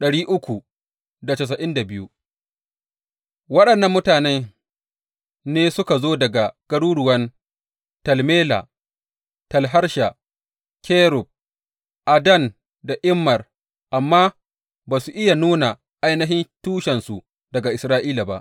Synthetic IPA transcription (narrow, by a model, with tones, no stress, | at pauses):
ɗɐ˨ɽiː˦ʔʊ˦kʷu˨ | da˨tɐ˨s̬ɐ˨ʔɪ˦nda˨bɪ˦ju˦ | wɐ˦ɗɐ˨nːɐ˦mːʊ˦taː˨nɛ˦ | neː˦sʊ˦ka˨zoː˦dɐ˨ɡa˨ɡ̥ɐ˦ɽuː˦ɽʊ˨wɐ˦n | tɐ˨lmeː˦la̰˨ | tɐ˨lɦa˦rʃa˨ | kʰe˦ɾʊ˨b̚ | ʔa˨dɐ˦˨n | da˨ʔɪ˦mːɐ˨r | ʔa˨mːaː˦ | baː˨su˨ʔɪ˦ja˨nuː˦na˨ | ʔa˦jnɐ˦ɦɪ˦ntuː˦ʃɛ˨nsu˨ | dɐ˨ɡa˨ʔɪ˨sɾaː˦ʔiː˦la˨ba˦ʔ